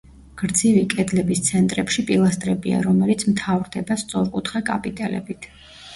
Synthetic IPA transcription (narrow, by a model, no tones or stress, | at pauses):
ɡ̥ɾd̪zivikʼɛd̪lɛbist̪sʰɛnt̪ʼɾɛpʃipʼilˠast̪ʼɾɛbia̰ɾɔmɛlit̪sʰmt̪ʰavɾd̪ɛbast̪sʼɔɾkʼut̪ʰχɛkʼa̰pʼit̪ʼɛlɛ̰bit̪ʰ